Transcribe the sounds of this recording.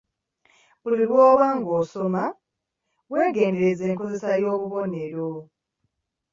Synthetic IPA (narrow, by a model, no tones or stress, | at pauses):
βuliβwɔβaŋɡosoma | weɡendeɾed͡zeŋkʰozesajoβuβoneɺo